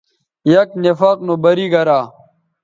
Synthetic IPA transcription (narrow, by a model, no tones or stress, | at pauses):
jɐknefɐːq̚nobɐɾiɡɐɾaː